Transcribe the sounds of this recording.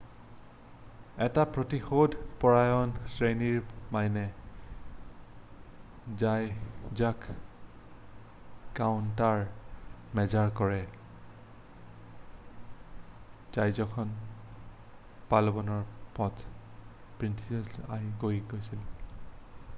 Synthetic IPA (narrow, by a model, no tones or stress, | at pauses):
ɛtapɹotixodʱpɔɹajɔnsɹeniɹmajnɛ | zajzak | kawntaɹ | mɛzaɹkɔɹɛ | z̥ajzɔkʰɔn | palɔbɔnɔɹpɔt | pɹintʰiza̰jɡojɡojsil